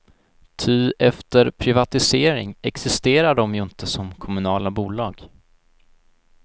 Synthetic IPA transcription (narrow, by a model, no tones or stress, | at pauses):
t̪ʰyːd̪ɛft̪əɾpʰɾɪvat̪ɪseːɾɪ̰ŋɛksɪst̪eːɾaɖɔmjɵɪnt̪əsɔmkʰɔmɵnɑːlabuːlɑːɡ